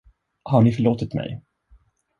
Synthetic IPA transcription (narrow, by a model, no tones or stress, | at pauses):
haɳɪfœɭoːt̪ɪt̪mɛ̰j